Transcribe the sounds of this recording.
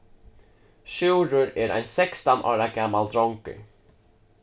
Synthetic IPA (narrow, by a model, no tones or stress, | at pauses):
ʃʉːɾʊɾɛɾʔæ̰ɪnsɛkst̪ɔnɑ̰ːɾaɡamːald̪ɾɔŋkʏ̰